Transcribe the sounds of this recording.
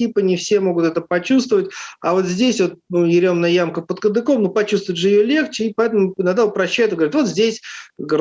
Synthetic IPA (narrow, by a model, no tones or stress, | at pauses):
ipənʲɪfsʲe̞moɡʊt̪ɛt̪əpɐt͡ɕust̪vəvətʲɐvo̞t̪zʲdʲesʲvo̞t̪̚ɪɾʲo̞mnəəjamkəpət̪kəd̪ɨkomnopɐt͡ɕust̪vʊɪt̪ʐɨɪjolʲe̞xt͡ɕɪipɐɛt̪əmʊɪnaɡd̪aʊpɾɐɕːæjɪt̪ɡəvɐɾʲɪt̪vo̞t̪zʲdʲesʲɡ